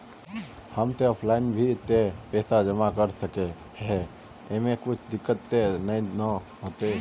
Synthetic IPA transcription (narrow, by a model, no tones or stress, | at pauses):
həmt̪eɔːpʰlaɪnbʱit̪epɛːsad͡ʒəmakəɾsəke | ɦe | emẽkʊt͡ʃʰd̪ɪkːət̪ːenəĩnə | ɦoːt̪e